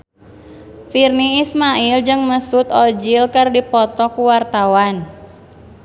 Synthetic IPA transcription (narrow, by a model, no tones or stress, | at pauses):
firniːsmaild͡ʒɨŋməsut̪ɔd͡ʒilkərdipɔt̪ɔkuwart̪awan